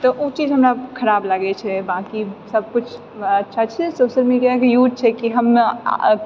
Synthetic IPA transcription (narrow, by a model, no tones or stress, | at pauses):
t̪ɔʔut͡ʃid͡ʒɦəmɾakʰəɾablaɡɛt͡ʃʰɛbakisəb̚kut͡ʃʰ | ətːʃʰat͡ʃʰɛsosəlmiakjud͡ʒ̚t͡ʃʰɛkiɦəmːḛ